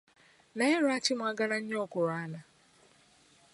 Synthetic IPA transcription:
naɪɾʊat͡ʃɪmʷaɡaɾaɲ̩ɲɔkʊɾana

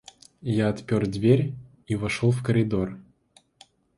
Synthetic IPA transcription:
jaɐt̪pʲord̪vʲeɾʲ | ivɐʂolˠfkəɾʲɪd̪o̞r

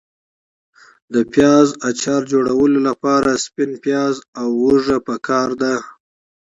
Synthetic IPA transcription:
d̪əpjɑzat͡ʃɑɾd͡ʒoɽawəlolapɑɾaspɪnpjɑzawːəʐapəkʰɑɾd̪a

